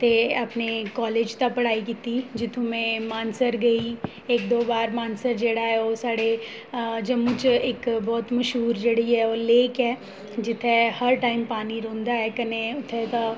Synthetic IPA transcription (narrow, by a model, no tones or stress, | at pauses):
t̪eɐpnekɔːleːd͡ʒt̪ɐpɐɽaːikit̪id͡ʒɪt̪ʰũmẽmaːnsəɾɡɐi | eːk̚d̪oːbaːɾmaːnsəɾd͡ʒeːɽaɦɛoːsaːɽe | d͡ʒɐmʊd͡ʒeːkbɔːt̪mɐʃɦuːɾd͡ʒeɽiɦɛoːleːkɦɛː | d͡ʒɪt̪ʰehɐɾʈaːɪmpaːniɾõːnd̪aɦɛkɐneʊt̪ʰːet̪a